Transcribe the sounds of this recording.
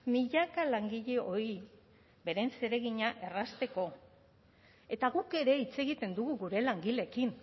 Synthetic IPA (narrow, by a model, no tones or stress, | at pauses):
miʎakalaŋɡiʎe̞o̞ɾi | be̞ɾe̞nse̞ɾe̞ɣiɲaʔe̞rast̪e̞ko̞ | e̞t̪aɣuke̞ɾe̞it͡se̞ɣit̪e̞nd̪uɣuɣuɾe̞laŋɡile̞kin